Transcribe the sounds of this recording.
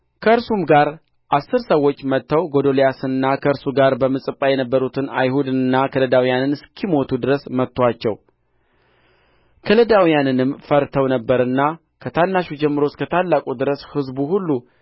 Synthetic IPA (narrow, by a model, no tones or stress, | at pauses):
kʰəɨɾsumɡaɾ | ʔasːɨɾsəwːo̞t͡ʃːmət̪ːəwɡo̞d̪o̞lijasɨnɨnːakʰəɨɾsuɡaɾbəmɨsʼɨpʼːajɛnəbːəɾut̪ʰɨna̰jhud̪ɨnɨnːakʰələd̪awijanɨnɨskʰimo̞t̪ʰud̪ɨɾəsmət̪ːwat͡ʃːɛw | kʰələd̪awijanɨnɨmfəɾt̪ʰəwnəbːəɾɨnːa | kʰət̪ʰanːaʃud͡ʒɛmːɨɾo̞t̪kʰət̪ʰalːakʼud̪ɨɾəshɨzbuhulːu